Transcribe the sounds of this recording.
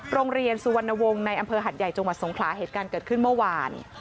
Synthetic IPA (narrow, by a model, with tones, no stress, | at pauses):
ɾoː˧ŋɾi˧ənsu˨˧wa˧nːa˧wo˧ŋna˧jʔa˧mpʰɤː˧ɦa˨˩t̪̚ja˨˩jt͡ɕa˧ŋwa˨˩t̪̚so˩˦ŋkʰlaː˩˦ɦeː˨˩t̪̚kaː˧nkɤː˨˩kʰɯ˥˩nmɯ˥˩˨waː˧n